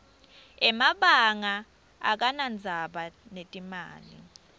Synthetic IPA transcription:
ɛmaɓaŋa̰ː | k̬anand͡zʱaɓanetʼima̰ːlḭ

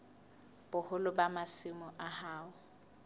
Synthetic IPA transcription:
b̥ʊhʊlʊbamasɪmʊʔahaːʊ

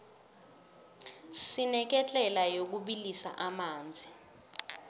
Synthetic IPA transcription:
sinɛk̬ɛt͡ɬʼɛlajok̬uɓilisa̰ʔamaːnd͡zʱi

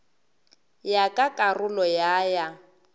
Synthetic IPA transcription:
jakʼakʼarʊlɔjaja

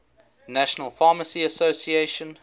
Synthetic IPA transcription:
næʃənəlˠfɑːməsiəsoʊsieɪʃə̃n

